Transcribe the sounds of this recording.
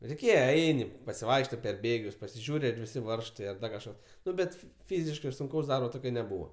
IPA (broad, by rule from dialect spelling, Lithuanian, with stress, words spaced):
rʲɛɪˈkʲeːjɛ ˈɛɪnʲɪ pɐsʲɪˈʋɐɪkʃtɐɪ pʲɛr ˈbʲeːɡʲʊs pɐsʲɪˈʒʲuːrʲɪ ɐr ˈʋʲɪsʲɪ ˈʋɐrʃtɐɪ ɐr ˈdɐ kɐʃˈkɐs ˈnʊ ˈbʲɛt ˈfʲiːzʲɪʃkɐɪ sʊŋˈkɐʊs ˈdɐrboː ˈtoːkʲoː nʲɛˈbuːʋoː